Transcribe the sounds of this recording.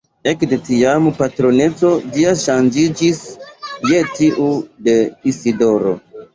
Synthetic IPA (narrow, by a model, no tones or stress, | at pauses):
e̞kde̞tiampatɾo̞ne̞t͡so̞d͡ʒiaʃand͡ʒid͡ʒisje̞tiʔude̞isido̞ɾo̞̰